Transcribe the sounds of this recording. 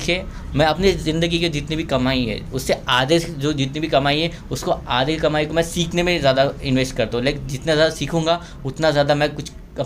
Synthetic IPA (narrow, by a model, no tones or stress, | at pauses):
kʰieː | mɛ̃ɐpnizɪ̃nd̪əɡiked͡ʒɪt̪nibʱikɐmaːiɦɛ̰ːʊsːeaːd̪ed͡ʒoːd͡ʒɪt̪nibʱikɐmaːiɦɛ | ʊskoaːd̪ekɐmaːikomɛ̃siːkʰnemẽzjaːd̪aɪ̃nʋeːsʈkɐɾt̪aɦũleːkd͡ʒɪt̪nazjaːd̪asiːkʰũːŋɡa | ʊt̪nazjaːd̪amɛ̃kʊt͡ʃʰ | ɐ